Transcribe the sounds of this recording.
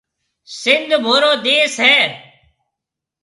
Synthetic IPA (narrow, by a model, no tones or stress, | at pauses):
sɪnd̪ʱbʱoːɾoːd̪eːsɦɛː